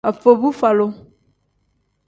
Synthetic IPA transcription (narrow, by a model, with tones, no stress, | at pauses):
a˨fo˨bu˦fa˨lo˦